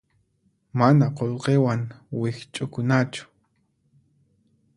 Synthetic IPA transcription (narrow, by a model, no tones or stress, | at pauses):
manaqolqewaŋwɪxt͡ʃʼʊkʊnat͡ʃʊ̥